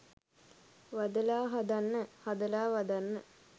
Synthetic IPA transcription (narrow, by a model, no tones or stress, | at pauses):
ʋad̪əlaːɦad̪anːəhad̪əlaːʋad̪anːə